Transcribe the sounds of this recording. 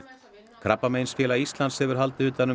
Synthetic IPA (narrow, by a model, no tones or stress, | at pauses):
kʰɾapːameːjnsfjɛːlaist̪lanshɛvʏɾ̥ɦal̪t̪ɪʏːt̪anːʏ